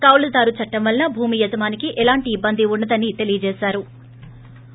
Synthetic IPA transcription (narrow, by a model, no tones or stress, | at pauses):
kɐwlɐd̪aːɾut͡ʃɐʈːɐmʋɐlnɐbʱuːmijɐt̪ɐmaːnikiʔɛlaːɳʈiːbːɐnd̪iunːɐd̪ɐnːit̪e̞lijɐd͡ʒɛːsaːɾu